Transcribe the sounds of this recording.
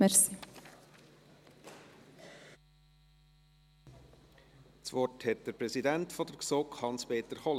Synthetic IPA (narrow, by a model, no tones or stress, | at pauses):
mɛɾsi | t͡svɔthɛt̚d̥əɾpɾɛsidæntfɔdəɾksokχhɑnspeːt̪əɾχɔl